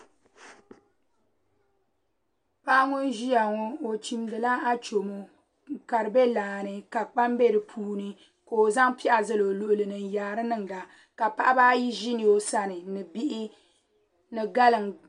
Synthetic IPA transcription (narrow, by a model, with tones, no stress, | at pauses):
pa˦ʔŋʊ˦nʒi˦ja˨ŋo˦o˨t͡ʃi˨mdɨ˨la˦a˦t͡ʃo˨mo˦˨ | ka˨ɾɨ˨bɛ˦laː˨nɨ˨ka˨k͡pa˦mbe˦ɾɨ˨pʰuː˦nɨ˦ | ka˨o˨za˦ŋpi˦ʔa˨zɨ˦lo˨lo˨ʔʊ˨lɨ˨nɨ˨n˨jaː˨ɾɨ˦nɨ˦ŋ˨la˨ | ka˨pa˦ʔa˦baː˦ji˦ʒi˦ni˨jo˦sa˦nɨ˨nɨ˨bi˦ʔɪ˦ | nɨ˨ɡa˦lɨ˨ŋ